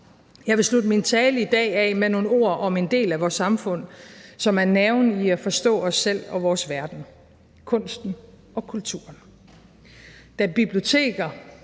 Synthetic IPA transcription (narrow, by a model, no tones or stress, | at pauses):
jɑ̈ɪʋe̝slud̥əmint͡sʰɛːləid̥ɛ̰ːɛmeno̝ːn̩o̝ɐ̰ʔɒ̽me̝nd̥e̝̰ːlæʋɒːsːɑ̈mfɔ̽n̰sɒ̽mæɐneʊniæfɒ̽sd̥ɔ̰̽ːɒ̽sːel̰ɒ̽ʋɒːsʋæɐd̥n̩ | kʰɔ̽n̰sd̥n̩ | ɒ̽kʰult͡sʰuɐn | d̥æb̥ib̥lio̝t͡sʰe̝̰ːɡ̥ɐ